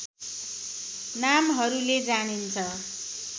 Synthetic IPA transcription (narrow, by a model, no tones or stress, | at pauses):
namɦʌɾuled͡zanint͡sʰʌ